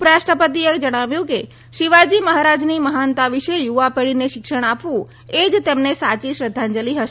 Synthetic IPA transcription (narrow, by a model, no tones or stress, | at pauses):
pɾaʃʈɾəpət̪iekd͡ʒəɽ̃aʋjũke | ʃiʋad͡ʒiməɦaɾad͡ʒniməɦant̪aʋiʃejuʋapeɭineʃɪkʃəɽ̃apʋũ | ed͡ʒt̪emnesat͡ʃiʃɾəd̪ʱːand͡ʒəliɦəʃ